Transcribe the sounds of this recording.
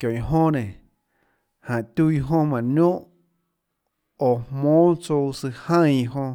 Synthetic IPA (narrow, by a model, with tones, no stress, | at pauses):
kjõ˨ĩ˨ɦõ˦nẽ˨ | hã˨t̪ʲu˦i˧ɦõ˦mã˨nõ˦ʔ | o˨hmõː˦t͡so˧wsɨ˧hã˦˧˨i˧˨ɦõ˧